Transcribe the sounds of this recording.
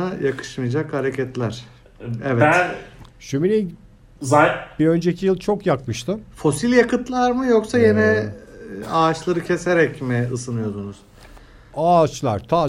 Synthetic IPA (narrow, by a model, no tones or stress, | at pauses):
ajakʰɯ̥ʃmɯjad͡ʒakhaɾecʰɛt̪lʲæɾ̥ | ɛvɛtʃymiɾi | zb̥iø̞nd͡ʒecʰijɯlˠt͡ʃʰokjakmɯʃt̪ʰɯfo̞silʲjakʰɯt̪lˠaɾmɯjoksajenɛ | aːt͡ʃlˠaɾɯcʰe̞seɾɛcmɪɯsɯnɯjo̞d̪unuz̥ | at͡ʃlˠa̰ɾ̥t̪ʰaː